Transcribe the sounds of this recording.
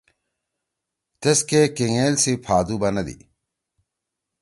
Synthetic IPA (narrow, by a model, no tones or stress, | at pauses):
t̪eskekeŋeːlsipʰaːd̪uːbɐnɐd̪ḭ